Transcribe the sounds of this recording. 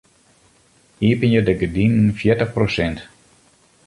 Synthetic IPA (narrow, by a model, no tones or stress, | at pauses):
iəpənjədəɡədinn̩fjɪtəxprosɛnt